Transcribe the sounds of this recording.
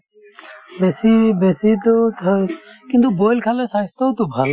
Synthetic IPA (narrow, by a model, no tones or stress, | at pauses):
besibesit̪ot̪ʰkĩnt̪uboːlkʰalesast̪ot̪ubʱal